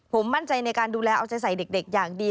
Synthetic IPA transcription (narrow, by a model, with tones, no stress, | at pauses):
pʰo˩˦mːa˥˩nt͡ɕa˧jna˧jkaː˧nduː˧lɛː˧ʔaː˧wt͡ɕa˧jsa˨˩˦jde˨˩k̚de˨˩k̚jaː˨˩ŋ̚diː˧